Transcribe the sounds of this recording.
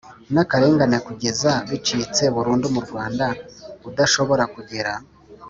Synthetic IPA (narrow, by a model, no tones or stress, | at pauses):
nakaɾe̞ːŋɡanekuɡe̞zaβit͡ʃiːt͡se̞βuɾuːndumuɾɡwaːndaudaʃo̞βo̞ɾakuɟiɾa